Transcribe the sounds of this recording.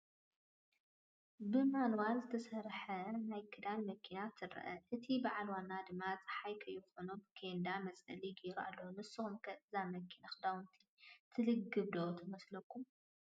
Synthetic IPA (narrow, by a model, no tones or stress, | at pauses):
bɨmanwaɾzɨt̪ʰɐsɐɾħɐnajkʰɨd̪almɐkʰinat̪ʰɨɾ̰ʔɐ̰ʔɨt̪ʰibɨʕalwanːad̪ɨmːat͡sʼɨ̥ħajkʰɐjːɪxonubɨkʰend̪amɐt͡sʼɐliɡeɾua̰lːownɨsɨxumkʰɐʔɨzamɐkʰinaxɨd̪awɨnt̪ʰi̥t̪ʰɨlɨɡːɨbd̪ot̪ʰɐmɐslɐkʰːum